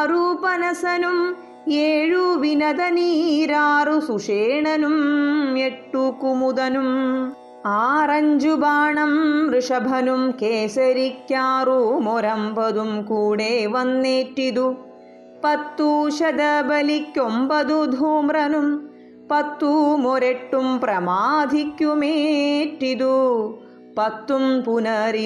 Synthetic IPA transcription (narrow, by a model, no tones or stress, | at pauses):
ɐɾupɐnɐsɐnum | eːɻuʋinɐd̪ɐniːɾaːɾusuʂeːɳɐnumeʈːukumud̪ɐnum | aːɾɐɲd͡ʒubaːɳɐmɾɪʂɐbʱɐnumkeːsɐɾikjaːɾumɔɾɐmpɐd̪umkuːɽeːʋɐnːeːʈːid̪u | pɐt̪ːuʃɐd̪ɐbɐlikːjombɐd̪ud̪ʱuːmɾɐnum | pɐt̪ːumoɾeʈːumpɾɐmaːd̪ʱikjumeːʈːid̪u | pɐt̪ːumpunɐɾi